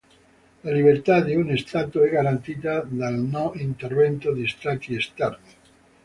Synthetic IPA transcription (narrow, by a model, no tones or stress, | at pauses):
laliβeɾt̪ad̪iunest̪at̪uɛɡaɾant̪it̪ad̪alnɔʔint̪erβent̪od̪ist̪ɾat̪iest̪aɾt̪